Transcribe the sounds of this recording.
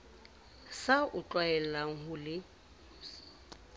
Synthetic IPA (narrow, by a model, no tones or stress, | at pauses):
saʊt͡ɬʼwaɛl̩laŋ̩ɦʊlɪ